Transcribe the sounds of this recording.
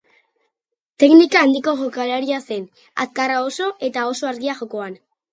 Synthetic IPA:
t̪e̞knikaːnd̪iko̞ʝokalaɾiasen | a̰skarao̞so̞ʔe̞t̪ao̞so̞aɾɣiaʝo̞ko̞an

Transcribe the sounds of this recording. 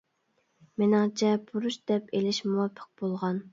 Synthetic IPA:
menɪŋt͡ʃʰɛbuɾuʃd̪ɛpelɪʃmuwɑpʰːə̥q̚b̥olˠʁɑn

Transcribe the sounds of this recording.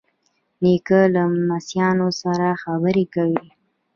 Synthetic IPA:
nikəlamasjɑnosaɾaxabəɾekawi

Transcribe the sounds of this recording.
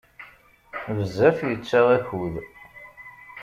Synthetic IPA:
vəzːæfjət͡sːæʁæçuð

